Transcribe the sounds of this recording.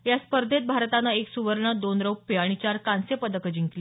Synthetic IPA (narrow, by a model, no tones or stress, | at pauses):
jaspəɾd̪ʱet̪̚bʱaɾt̪anəeksuʋəɾɳəd̪onɾəwpːeaɽ̃it͡ɕaɾkãnsepəd̪əkəd͡ʑiŋkli